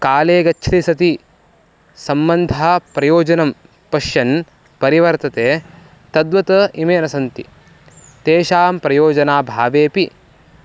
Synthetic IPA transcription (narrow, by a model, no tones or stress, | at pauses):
kaːleːɡɐt͡ʃʃʰɾisɐt̪i | sɐmbɐnd̪ʱaːpɾɐjoːd͡ʒɐnɐm | pɐʃjɐn | pɐɾiʋɐɾt̪ɐt̪eː | t̪ɐd̪ʋɐt̪ɐimeːnɐsɐnt̪ḭ | t̪eːʃaːmpɾɐjoːd͡ʒɐnaːbʱaːʋeːpi